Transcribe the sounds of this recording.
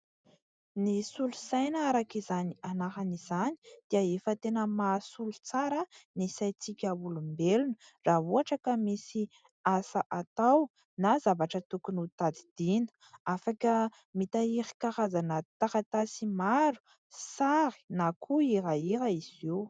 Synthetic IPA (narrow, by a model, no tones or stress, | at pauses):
nisulusajnaaɾakizanianaɦanizani̥d̪̥iəefət̪enəmasulut͡saɾənisajt͡sikʲaulumbelunə | raɦuaʈ͡ʂəkəmisi | asaʔat̪aw | nazavaʈ͡ʂət̪ukunut̪ad̪id̪̥inə̥ | afakə | mit̪aiɾi̥kaɾazanət̪aɾat̪asimaɾu̥ | saɾi̥nakʰuiɾaiɾaiz̥ew